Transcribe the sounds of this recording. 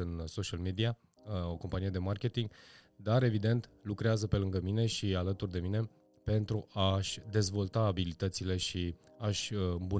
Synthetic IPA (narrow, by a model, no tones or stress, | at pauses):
ɨnso̞ʃialmed̪ia | oko̞mpanije̞d̪e̞markʲe̞t̪iŋɡd̪aɾe̞vid̪e̞nt̪lukɾeazəpe̞lɨŋɡəmine̞ʃialət̪urd̪e̞mine̞ | pe̞nt̪ɾuʔaʃʲd̪e̞zvo̞lt̪aːbilit̪ət̪sile̞ʃi | aʃʲɨmbu